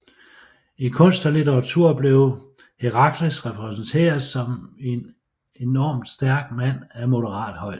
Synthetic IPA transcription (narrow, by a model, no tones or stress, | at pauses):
ikʰɔ̽n̰sd̥ɒlit͡sʰeʁɑ̈t͡sʰuɐ̰b̥le̝ʊ | hiʁɑ̈ɡ̥ʰləsʁɛpʰʁɛsn̩t͡sʰe̝̰ːɐð̩ˠsɒ̽me̝n | e̝nɒːmd̥sd̥æɐɡ̥mæn̰æmo̝ɾəʁɑ̰̈ːd̥hɒ̽ɪ̰̥